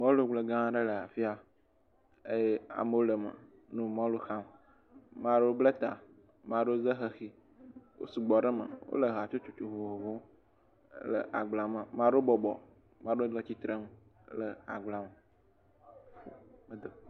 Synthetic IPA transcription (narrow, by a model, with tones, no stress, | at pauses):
mã˦lo˦ɡ͡blə˨ɡã˦ɖə˦lə˨a˨fi˦a˨ | e˦je˦a̰˨mə˨wo˦lə˨mə̰˨ | nũ˦mã˦lo˦xa˦m | mã˦ɖo˦blə˦t̪a̰˨ | mã˨ɖo˦zə˦ɦə˨xi˦ | wo̰˦su˨ɡ͡bɔ˨ɖə˦mə̰˨wo̰˦lə˨ɦa˨t͡ʃo˦t͡ʃu˨t͡ʃu˨ɦo˨ɦo˨võ˦ | lə̰˨ʔa̰˨ɡ͡bla˨mə˨mã˨ɖo˦o˦bɔ˨bɔ̰˨ | mã˦ɖo˦lə˦t͡ɕi˦t̪ɾə˦m | lə˨a̰˨ɡ͡bla˨mə˨ | fo˨mə˨d̪o˨